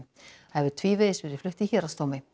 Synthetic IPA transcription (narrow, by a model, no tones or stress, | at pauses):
ɛvʏt̪ʰviːvɪðɪsvɪðɪflʏht̪ɪçɛɾast̪oːwmɪ